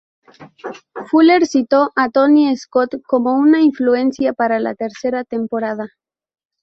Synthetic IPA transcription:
fuleɾsit̪o̞ʔat̪o̞nie̞skot̪ko̞mo̞unaiɱflue̞nsjapaɾala̰t̪e̞ɾse̞ɾat̪e̞mpo̞ɾað̞a

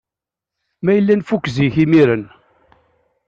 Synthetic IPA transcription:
mæjəlːænfukːziçimiɾən

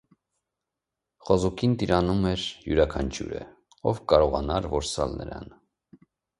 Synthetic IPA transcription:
χɔzukʰint̪iɾɑnumɛɾjuɾɑkʰɑnt͡ʃʰjṵɾə̰ | ɔvkɑɾɔʁɑnɑɾvɔɾsɑlnə̰ɾɑ̰n

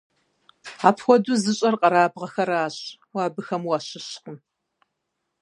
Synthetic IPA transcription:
aːpʰxʷɔduzɨɕʼɐrqʼɐɾaːbʁɐxɐraːɕʼ | waːbɨxɐmwaːɕɪɕqʊm

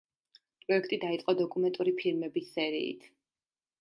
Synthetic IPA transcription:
pʼɾɔɛkʰt̪ʼid̪ait̪sʼqʼɔd̪ɔkʼumɛnt̪ʼuɾipʰiɾmɛbisːɛɾḭːt̪ʰ

